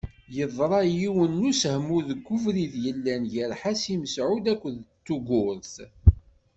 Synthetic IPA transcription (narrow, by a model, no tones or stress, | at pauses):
jəðˤɾˤɑjiwənːushmuðəɡːuvɾiðjəlːænʝəɾħasiməsʕud̪ækʷːðt͡s̪ːuɡʊɾθ